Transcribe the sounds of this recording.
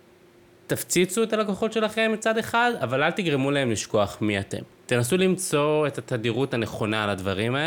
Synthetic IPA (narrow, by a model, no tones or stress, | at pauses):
t̪aft͡sit͡sue̞t̪alakoχo̞tʃe̞laχe̞mːit͡sad̪e̞χadavalalt̪iɡʁemulaemliʃko̞aχmiat̪e̞̰mt̪enas̬ulimt͡so̞e̞t̪at̪ad̪iʁut̪hane̞χo̞nalad̪vaʁimae